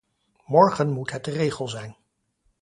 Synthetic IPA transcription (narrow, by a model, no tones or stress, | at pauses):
mɔɹχənmutɦət̚dərejχəlˠzɛjn